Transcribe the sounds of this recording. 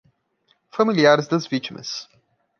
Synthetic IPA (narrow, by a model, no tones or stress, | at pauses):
fɐmiliaɾzd̪ɐzvit͡ʃmə̰s